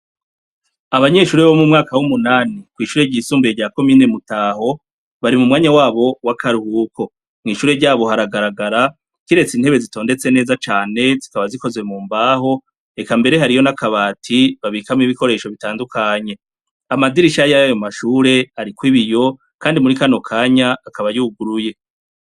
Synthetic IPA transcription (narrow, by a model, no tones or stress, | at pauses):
aβaɲe̞ʃuːɾeβo̞mumŋaːkawumunaːnikwiːʃuːɾe̞ɾɟiːsuːmbeeɟaːko̞miːne̞mutaːɦo̞ | βaɾimumŋaːɲawaːβo̞wakʰaɾuhuːkʰo̞ | mŋiːʃuːɾe̞ɾɟaːβo̞ɦaɾaɡaɾaɡaɾa | kiɾe̞t͡sin̥he̞βe̞zito̞ːnde̞t͡se̞ne̞ːzat͡ʃaːne̞zikaβaziko̞zwe̞muːmbaːɦo̞ | e̞kambe̞ɾe̞ɦaɾijo̞nakaβaːtʰiβaβikamiβiko̞ɾe̞ːʃo̞βitaːndukʰaɲe̞ | amadiɾiʃajajo̞maʃuːɾe̞aɾikwiβijo̞ | kaːndimuɾikano̞kʰaːɲaːkaβajuɡuɾuje̞